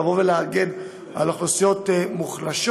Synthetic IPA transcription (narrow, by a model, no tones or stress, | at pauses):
voveleaɡe̞n | a̰laχlosijo̞t̪muχlaʃ